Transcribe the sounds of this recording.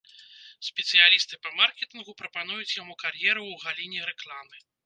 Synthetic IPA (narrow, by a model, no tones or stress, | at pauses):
sʲpʲɛt̪sɨjalʲist̪ɨpɐmarkʲɛt̪ɨnɣupɾɐpan̪ujut͡sʲjamukarjɛɾuwɣalʲinʲɛɾɛklˠamɨ